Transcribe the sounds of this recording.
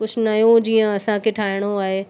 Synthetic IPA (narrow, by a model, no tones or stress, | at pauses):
ʊsʰnɐjũd͡ʑiːə̃ɐsãkʰeʈʰaːɪɽ̃oaːɦeː